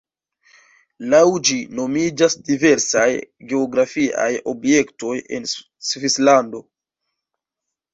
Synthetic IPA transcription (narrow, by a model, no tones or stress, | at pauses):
lawd͡ʒino̞mid͡ʒasdive̞ɾsajɡe̞oɡɾafiʔa̰jo̞̰bje̞kto̞je̞̰n | svislando̞